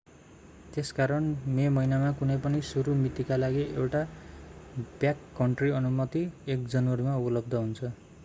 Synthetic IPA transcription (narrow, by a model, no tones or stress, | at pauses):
t̪eskaɾʌnmemʌinamakunʌjpʌnisuɾumit̪ikalaɡiewʈa | b̥jakːʌɳʈriʌnumʌt̪iek̚d͡zʌnwʌɾimaublʌbd̪ʌɦunt͡sʰʌ